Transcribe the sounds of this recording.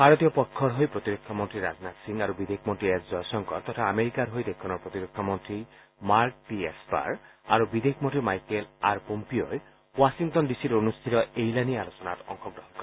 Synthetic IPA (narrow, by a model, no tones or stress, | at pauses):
bʱaɾɔt̪ijɔpɔkʰːɔɾɦojpɾɔt̪iɾokʰɔmɔnt̪ɾiɾa̰znat̪siŋaɾubid̪eik̚ʰmontɾiesd͡ʒɔjsɔŋkɔ̰t̪ɔt̪ʰaːmeɾikaɾɦojd̪ekʰːɔnɔɾpɔt̪iɾok̚ʰːɔmɔnt̪ɾi | maɾk̚ʈiespa̰ɾaɾubid̪ʱekʰmɔ̃ntɾimajkelaɾpompioe | wasiŋtɔndisiɾonust̪ʰit̪ɔejlanialosɔnat̪ɔ̰ŋxɔɡɾɔɦɔnkɔ